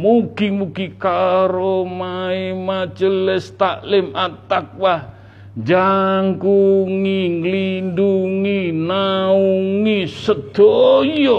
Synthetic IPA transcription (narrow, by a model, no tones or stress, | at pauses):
muɡimuɡikaɾomaimat͡ʃəlɛst̪aʔlɪmat̪ak̚wah | d͡ʒaŋkuŋiŋlinduŋinauŋisəd̪̥ojo